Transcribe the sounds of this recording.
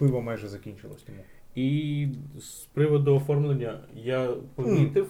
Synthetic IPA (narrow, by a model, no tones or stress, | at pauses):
pɪʋɐmajʒɛzɐkʲinʲt͡ʃɪlˠɔ̰sʲt̪ɔmu | i | spɾɪʋɔd̪ʊːfɔrmlˠenʲːɐjapɔʋʲit̪ɪw